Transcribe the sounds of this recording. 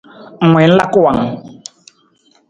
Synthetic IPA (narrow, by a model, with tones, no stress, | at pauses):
mwɛ˨˦n̩˦la˦kwa˨ŋ